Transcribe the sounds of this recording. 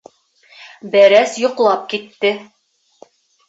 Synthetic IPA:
bæɾæsjŏqlˠɑp̚kit̪ːɘ

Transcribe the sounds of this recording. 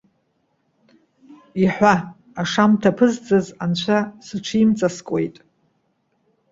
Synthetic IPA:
iħʷaː | ʂamtʰapʰɨzd͡zɨzant͡ɕʷʰasɨʈ͡ʂʷʰɨimt͡sʼaskʷʼe̞jtʼ

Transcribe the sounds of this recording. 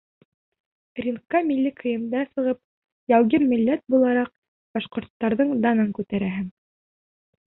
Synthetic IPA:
rʲinkːɑmilʲːikʰɤ̆jɤ̆md̪ɑsɤ̆ʁɤp̚ | jæwɡɘnmɘ̆lːæt̪̚bulˠɑɾɑq̚ | b̥ɑʃqŏɾt̪ːɑɾðɤɴd̪ɑnɤŋkʉt̪æɾæɦɘŋ

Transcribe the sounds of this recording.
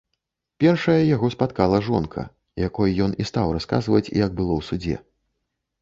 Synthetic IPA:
pʲɛrʂɐjɐjaɣɔspat̪kalˠɐʐɔnkʰɐ̰ | jakɔjɐjɔnʔist̪awraska̰zvɐt͡sʲḭjɐɡ̚bɨlˠɔwsud͡zʲɛ̰

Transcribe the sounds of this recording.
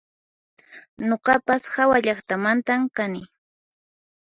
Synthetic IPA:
noqɑpasxawaʎaχt̪amant̪amkanɪ

